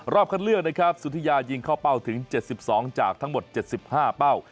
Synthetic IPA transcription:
ɾɔː˥˩p̚kʰa˥˩nlɯ˥˩k̚na˥kʰɾa˦˥p̚su˨˦t̪ʰa˧jaː˧ji˧ŋkʰaː˥˩wpa˥˩wt̪ʰɯ˩˦ŋt͡ɕe˨˩t̪̚si˨˩p̚sɔː˩˦ŋt͡ɕaː˨˩k̚t̪ʰa˦˥ŋmo˨˩t̪̚t͡ɕe˨˩t̪̚si˨˩p̚haː˥˩pa˥˩w

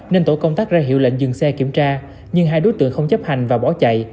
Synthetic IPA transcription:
ne˧nt̪o˧˩kə˧wŋ͡mt̪aː˦˥k̚zaː˧ɦi˧˨wlḛ˧˨ŋ̟zɨ˨˩ŋsɛ˧ki˧˩əmt͡ɕaː˧ | ɲɨ˧ŋɦaː˧jɗo˨˦jt̪ɨ̰˧˨əŋxə˧wŋ͡mt͡ɕə˦˥p̚ha˨˩jŋ̟vaː˨˩ɓɔ˨˩˦t͡ɕa̰˧˨j

